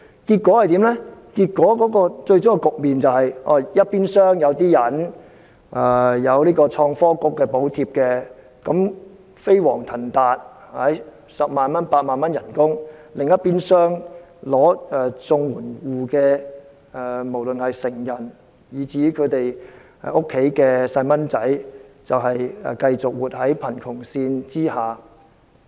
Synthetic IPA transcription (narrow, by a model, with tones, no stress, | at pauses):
kiː˧t̚kwɔː˨˥hɐ˨jt̪iː˨˥mlɛ˥kiː˧t̚kːɔː˨˥kɔː˨˥kɔː˧t͡ʃɵ˧ɥt͡ʃʊ˥ŋkɛ˧kʊ˨k̚miː˨nt͡sɐ˨whɐ˨jʔɔ̰ː˧˩jɐ˥t̚piː˥nsœː˥ŋjɐ˨˧wt̪iː˥jɐ˨˩n | ʔɛː˧˩jɐ˨˧wliː˥kɔː˧t͡ʃʰɔː˧ŋfɔː˥kʊ˥kːɛː˧po˨˥wt̪ʰiː˧p̚kɛː˧ | kɐ˨˥m | fe˥jwɔ̰ː˨˩ŋt̪ʰɐ˨˩nt̪aː˨t̚hɐ˨˥j | sɐ˨p̚maː˨nmɐ˥npaː˧t̚maː˨nmɐ˥njɐ˨˩nkʊ˥ŋlɪ˨ŋjɐ˥t̚piː˥nsœː˥ŋlɔː˨˥ɛː˨˧t͡sʊ˧ŋwuː˨˩nwuː˨kɛː˧˨˧ | mo˨˩wlɵ˨nhɐ˨jsɪ˨˩ŋjɐ˨˩n | jiː˨˩t͡siː˨˥kʰɵ˨˧t̪e˨j | ɛ˧ʊ˥kʰːe˨˥jkɛː˧sɐ˧jmɐ˥nt͡sɐ˨˥jt͡sɐ˨wɦɐ˨jɛ˨˩kɐ˧jt͡sʊ˨k̚wuː˨˩t̚hɐ˨˥jpʰɐ˨˩nkʰʊ˨˩ŋsiː˧nt͡siː˥haː˨˩